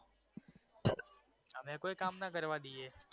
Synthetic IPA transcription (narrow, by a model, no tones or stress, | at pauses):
ɦəmẽkoːikaːmnakəɾʋad̪ieː